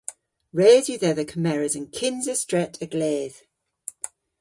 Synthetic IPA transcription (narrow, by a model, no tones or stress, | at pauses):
ɹeːzjəðɛðəkʰəmɛɹəzə̃nkʰɪ̃nzəstɹ̥ɛtʰəɡleːð̥